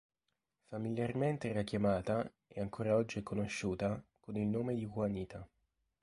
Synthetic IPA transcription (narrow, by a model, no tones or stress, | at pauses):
familjarment̪erakːjamaːt̪a | ɛ̰aŋkʰoːɾaɔd͡ʒːikonoʃːuːt̪akonilnoːmed̪ikwaniːt̪ʰa